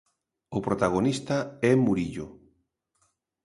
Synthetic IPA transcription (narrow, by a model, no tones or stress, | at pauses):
opɾot̪aɣ̞onist̪aɛmuɾiʎo